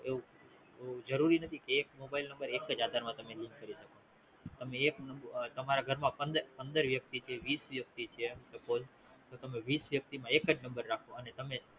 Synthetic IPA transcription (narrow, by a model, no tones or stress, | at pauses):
eũ | ud͡ʒəɾuɾinət̪ʰikeːkmobailnə̃mbəɾekəd͡ʒad̪ʱaɾmãt̪əmelĩŋkːəɾiʃəko | t̪əmeːknəbt̪əmaɾaɡʱəɾmãpənd̪əɾpənd̪əɾʋjək̚t̪it͡ʃʰieʋisʋjək̚t̪it͡ʃʰiet̪əpod͡ʒ | t̪ot̪əmeʋisʋjək̚t̪imãekəd͡ʒnə̃mbəɾːakʰoənet̪əme